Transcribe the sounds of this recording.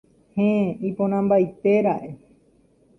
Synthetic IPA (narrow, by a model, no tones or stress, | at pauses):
hẽipõɾ̃ãmbajt̪e̞ɾaʔe̞